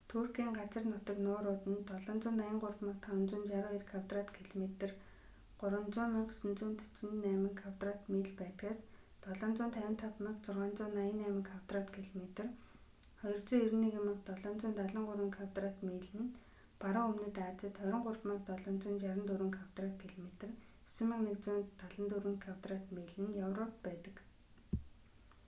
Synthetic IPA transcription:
t̪ʰuːrkiːŋɢat͡sə̆rnʊt̪ə̆knʊːɾʊːt̪ɘ̆nt̪ɔɮɞ̆ːnt͡sʊːnajə̆ɴɢʊrpmə̆qt̪ʰawə̆nt͡sʊːnt͡ɕaɾʊːirkʰawt̪rat̪kʰiɮmet̪ə̆r | ɢʊɾwə̆nt͡sʊːmə̆qsɵ̆nt͡suːnt̪ʰɵ̥t͡ɕɪ̆nnæːmə̆ŋkʰawt̪rat̪miːɮpæːt̪ɡaːs | t̪ɔɮɔːnt͡sʊːnt̪ʰæwʲɪ̆nt̪ʰap̪mə̆qt͡sʊrʁaːnt͡sʊːnːajə̆nːæːmə̆ŋkʰawt̪rat̪kʰiɮomet̪ɘ̆r | χɔjɞ̆r̥t͡sɵːiɾniːkemə̆qt̪ɔɮɔːnt͡sʊːnt̪aɮə̆ɴɢʊɾwə̆ŋkʰawt̪rat̪miːɮɘ̆n | paɾə̆ŋɵmnɘ̆t̪aːt͡sə̆t̪χœɾʲɪ̆ɴɢʊrpmə̆t̪ɔɮɔːnt͡sʊːnt͡ɕaɾə̆nt̪uɾɘ̆ŋkʰaw̥t̪rat̪̚kʰiɮomet̪ə̆r | ɵ̥sɵ̆mə̆ŋnekt͡sʊːnt̪aɮə̆nt̪uɾɘ̆ŋkʰaw̥t̪rat̪meːɮɘ̆njawrɔp̚pæːt̪ə̆k

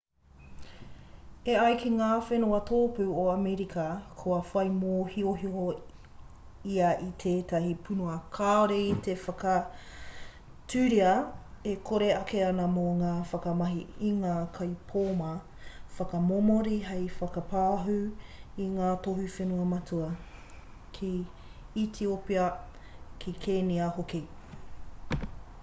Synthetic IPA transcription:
eɐjkeŋaːfenuɐtʰoːpuːoɐmeɾikʰɐkʰoɐfɐjmoːhioɦio | iɐitʰeːtɐhipʰunuɐkʰaoɾeitʰefɐkɐ | tʰʉːɾiɐekʰoɾeɐkeɐnɐmoŋaːfɐkɐmɐɦiiŋaːkʰɐjpʰoːmɐ | fɐkɐmomoɾiɦejfɐkɐpaːɦuiŋaːtohufenuɐmɐtʰuɐ | kʰi | itʰiopeɐ | kʰikʰeːniɐɦoki

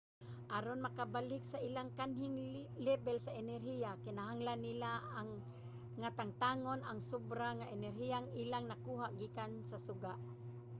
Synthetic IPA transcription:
ʔaɾonmakabalɪksaʔilaŋkanɦɪŋlɛbɛlsaɛnɛɾhijakɪnaɦaŋlanːɪlaːŋː | at̪aŋt̪aːŋonaŋsubɾaŋaʔɛnɛɾɦijaŋilaŋnakuːɦaʔɡiːkansasʊɡaʔ

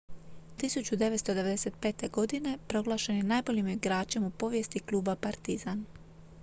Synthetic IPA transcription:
t̪isut͡ɕud̪e̞ʋet̪st̪od̪e̞ʋe̞d̪e̞se̞t̪̚pe̞ːt̪e̞ɡo̞d̪ine̞pɾo̞ɡlˠaːʃe̞njenaːjbo̞ʎimiɡɾaːt͡ʃe̞mupo̞ʋje̞st̪iklˠuːbapaɾt̪izan

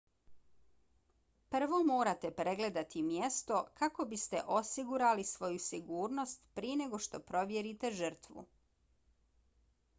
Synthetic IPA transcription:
pr̩ʋo̞mo̞ːɾat̪e̞pɾe̞ɡle̞d̪at̪imjest̪o̞kako̞bist̪eʔo̞siɡuɾalisʋo̞jusiɡuːɾno̞st̪pɾiene̞ɡo̞ʃt̪o̞pɾo̞ʋjeɾit̪e̞ʒər̩t̪ʋṵ

